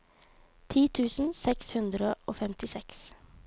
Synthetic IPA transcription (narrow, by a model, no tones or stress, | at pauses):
t̪ʰiːt̪ʰʉːsn̩sɛkshʉnd̪ɾəʔoːfɛmt̪ɪsɛks